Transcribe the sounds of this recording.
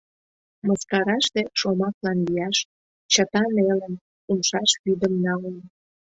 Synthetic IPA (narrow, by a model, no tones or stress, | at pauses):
məskɑɾɑʃt̪eʃomɑklɑnlijɑʃ | t͡ɕət̪ɑnelən | unʃɑʃβyd̪əmnɑlən